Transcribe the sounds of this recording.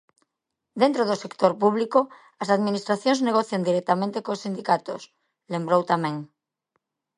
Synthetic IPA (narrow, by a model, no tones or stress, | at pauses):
d̪ẽnt̪ɾoðosekt̪oɾpuβliko | ɐsaðminist̪ɾaθjõŋzneɣ̞oθjand̪iɾɛk̚t̪amẽnt̪ekosind̪ikat̪os | lembɾowt̪amẽŋ